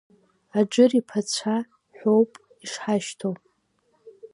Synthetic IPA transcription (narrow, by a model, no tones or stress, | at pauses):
ad͡ʒɨripʰat͡ɕʷʰa | ħʷowpʼ | iʂħaʃtʰowpʼ